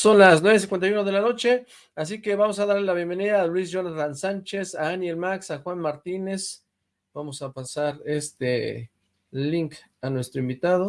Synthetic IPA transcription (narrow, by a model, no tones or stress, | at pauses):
so̞nlasnweβes̬ĩŋkwent̪ajunað̞e̞lano̞t͡ʃe̞ | as̬ike̞βamo̞s̬aðaɾlelaβje̞mbe̞niðaːlwizʝonaɾansant͡ʃe̞saanjelmaksaxwanmaɾt̪ine̞s | b̥amo̞sapasaɾe̞st̪e | liŋk | anwe̞st̪ɾoimbit̪að̞o̞